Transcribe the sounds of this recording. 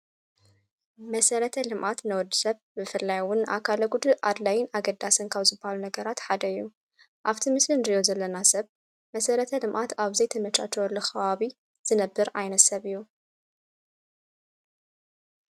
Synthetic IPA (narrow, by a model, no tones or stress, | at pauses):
mɐsɐɾɐt̪ʰɐlɨmʔat̪nɐwɔd̪ːɨ̥sɐβbɨfɨlːajwʊnʔa̰kʰalɐɡud̪ɨʔad̪lajɪnaɡɐd̪ːasɨnkʰawzɨbːahalunɐɡɐɾat̪ħad̪ɐɨjːu | ʔaβt̪ʰimɨslɨnɾijozɐlːɐnasɐβ | mɐsɐɾɐt̪ʰɐlɨmʔat̪aβzɐjt̪ʰɐmɐt͡ʃʼat͡ʃowɔlːoxɐβaβi | z̥ɨnɐbːɨɾajnɐt̪sɐβɨjːu